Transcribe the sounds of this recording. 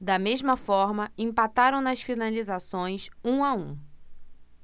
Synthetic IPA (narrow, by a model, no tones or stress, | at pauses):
d̪ɐmezmɐfɔɾmɐẽmpat̪aɾɐ̃w̃nɐsfinalizasõj̃sũaũ